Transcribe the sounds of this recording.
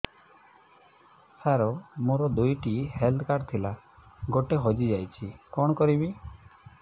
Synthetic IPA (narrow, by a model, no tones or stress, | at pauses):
saɾomoɾɔd̪ujʈiheld̪kaɾɖt̪ʰila | ɡoʈeɦɔd͡ʒid͡ʒajt͡ʃʰikɔ̃ɔkɔɾibi